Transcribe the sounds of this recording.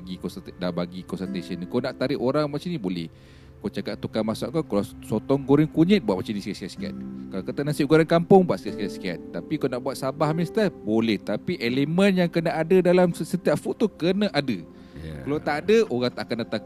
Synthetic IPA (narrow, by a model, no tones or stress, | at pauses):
ɡikɔnsdaʔbaɡikɔnsənt̪esənkawnaʔt̪aɾɪʔoɾaŋmat͡ʃanibolɛ̰h | kot͡ʃakaʔt̪ukanmasa̰ʔkakalasɔt̪ɔŋɡoɾɪŋkuɲɪt̪̚bwat̪̚mat͡ʃamniskaskaska̰t̪̚kalawkat̪anasiʔɡoɾankampʊŋbuat̪skat̪̚skat̪ska̰t̪̚ːapikawnaʔbuwat̪̚sabahmist̪əbolɛht̪apiʔelemə̃njaŋkənaadədalamsət̪iapfuʔt̪ːukənãʔadə | kalawt̪aʔadəoɣaŋt̪aʔakandat̪a